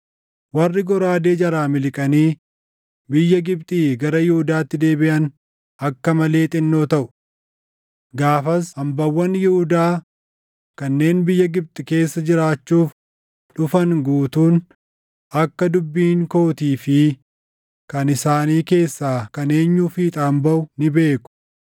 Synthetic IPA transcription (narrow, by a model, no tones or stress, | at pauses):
wɐrːɪɡɔɾaːd̪e̞ːd͡ʒɐɾaːmɪlɪkʼɐniː | bɪjːɐɡɪbt̪ʼiːɡɐɾɐjɪhʊd̪aːt̪ːɪd̪e̞ːbɪʔɐn | ɐkːɐmɐle̞ːt̪ʼɪnːo̞ːt̪ɐʔʊ̥ | ɡaːfɐsɐmbɐwːɐnjɪhʊd̪aː | kɐnːe̞ːnbɪjːɐɡɪb̚t̪ʼɪke̞ːsːɐd͡ʒɪɾaːt͡ʃːuːf | ᶑʊfɐŋɡuːt̪uːn | ʔɐkːɐd̪ʊbːiːŋko̞ːt̪iːfɪ | kɐnɪsaːniːke̞ːsːaːkɐne̞ːɲːuːfiːt̪ʼaːmbɐʔʊnɪbe̞ːkʊ̥